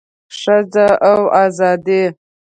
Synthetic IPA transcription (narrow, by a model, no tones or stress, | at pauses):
ʂad͡zaʔawazɑd̪i